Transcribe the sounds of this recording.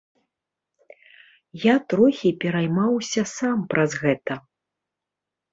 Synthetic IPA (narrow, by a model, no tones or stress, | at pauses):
jat̪ɾɔxʲipʲɛɾajmawsʲɐsampɾʔɐzɣɛt̪ɐ